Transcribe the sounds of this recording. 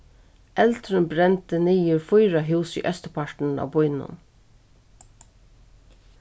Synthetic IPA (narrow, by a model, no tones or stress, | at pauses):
ʔɛlt̪ɾənbɾɛnt̪əniːəɹfʊjɾaɦʉːsḭːʔœst̪əpʰaɹʈɳ̩a̰ːbʊʏnʊ̰n